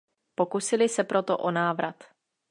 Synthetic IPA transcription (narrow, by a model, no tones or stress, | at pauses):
po̞kusɪlɪsɛpɾot̪o̰ʔo̞naːvɾʔat̪